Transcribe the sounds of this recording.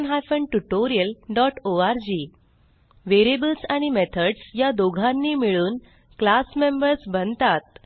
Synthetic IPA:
nɦajfəɳʈuʈoɾijəlɖɔʈoaɾd͡ʑi | ʋeɾebəlsaɽ̃imet̪ʰəɖsjad̪oɡʱãnːiːmiɭuːn | klasmembəɾsbənt̪at̪̚

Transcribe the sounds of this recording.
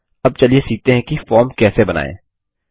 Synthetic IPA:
ɐb̚t͡ʃɐliesiːk̚t̪eɦɛ̃kifɔːɾmkɛːsebɐna̰ːḛ̃ː

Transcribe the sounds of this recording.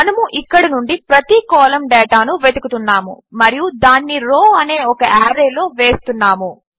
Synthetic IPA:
mɐnɐmuʔikːɐɽinuɳɖipɾɐt̪ikɔːlɐmɖɛːʈaːnuʋed̪ukut̪unːaːmṵ | mɐɾijud̪aːnːiɾoːɐne̞ːɔkɐʔaːɾeːlo̞ːʋe̞ːst̪unːaːmu

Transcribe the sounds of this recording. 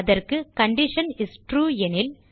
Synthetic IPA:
ɐðɐrkɯkɐɳɖɪʂɐnɪsʈɾuːɛnɪl

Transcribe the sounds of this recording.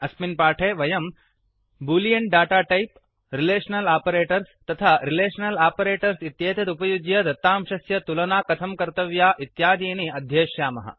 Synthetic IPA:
ɐsminpaːʈʰeːʋɐjɐm | buːlijɐɳʈ̚ɖaːʈaːʈɐjp | ɾileːʂɐnɐlaːpɐɾeːʈɐɾst̪ɐt̪ʰaːɾileːʃɐnɐlaːpɐɾeːʈɐɾsit̪jeːt̪ɐt̪upɐjud͡ʒjɐd̪ɐt̪ːaːmʃɐsjɐt̪ulɐnaːkɐt̪ʰɐmkɐɾt̪ɐʋjaːʔit̪jaːd̪eːniɐd̪ʱjeːʂjaːmɐɦɐ̰

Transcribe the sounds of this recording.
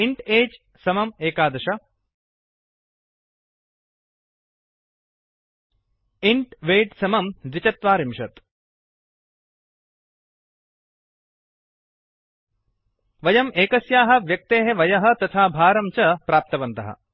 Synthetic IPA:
iɳʈeːd͡ʒ | sɐmɐmeːkaːd̪ɐʃɐ | iɳʈʋeːɖsɐmɐmd̪it͡ʃɐt̪ʋaːɾimʃɐt̪ | ʋɐjɐmʔeːkɐsjaːɦɐ̆ʋjɐk̚t̪eːɦeʋɐjɐɦɐ̆t̪ɐt̪ʰaːbʱaːɾɐmt͡ʃɐpɾaːp̚t̪ɐʋɐnt̪ɐɦɐ̰

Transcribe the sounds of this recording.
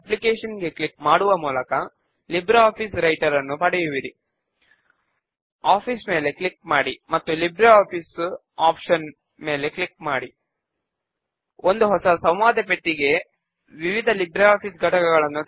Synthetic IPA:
ɐplikeːʂɐnɡe̞kɭik̚maːɽuʋɐmuːlɐkɐ | libɾɐaːpʰisɾɐjʈɐɾɐnːupɐɽɛjuʋiɾi | aːpʰismeːle̞kɭik̚maːɽimɐt̪ːulibɾɐaːpʰis | aːpʂɐn | me̞ːle̞kɭikmaːɽi | ond̪uɦɔsɐsɐ̃wʋaːd̪ʱɐpeʈːiɡe̞ | ʋiʋid̪ʱɐlibɾɐaːpʰisɡʱɐʈɐkɐɡɐɭɐnːu

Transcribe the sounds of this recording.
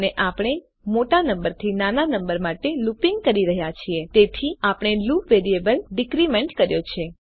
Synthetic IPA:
neʔapɽ̃e | moʈanəmbəɾt̪ʰinananəmbəɾmaʈelupiŋɡ̚kəɾiɾəɦjat͡ʃʰiet̪et̪ʰiapəɳ̃elupʋeɾiebəlɖɪkɾimeɳʈkəɾjot͡ʃʰe

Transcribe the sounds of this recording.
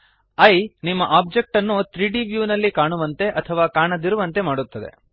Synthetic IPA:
ɐjnimːɐʔaːb̚d͡ʒe̞k̚ʈɐnːut̪ʰɾiːɖiʋjuːnɐlːikaːɳuʋɐnt̪e̞ʔɐt̪ʰɐʋaːkaːɳɐd̪iɾuʋɐnt̪e̞maːɽut̪ːɐd̪e̞̰

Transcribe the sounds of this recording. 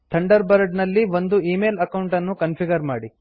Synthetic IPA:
t̪ʰɐɳɖɐɾbɐɾɖnɐlːiʋond̪uiːmeːlɐkɐwɳʈɐnːukɐnpʰiɡɐɾmaːɽi

